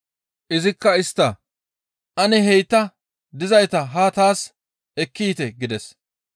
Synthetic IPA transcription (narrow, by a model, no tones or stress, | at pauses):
ʔɪzɪkːɐɪst̪ːɐ | ʔɐnɛɦɛjt̪ːɐ | d̪ɪzɐjt̪ɐɦɐt̪aːs | ɛkːiːt̪ɛɡɪd̪ɛs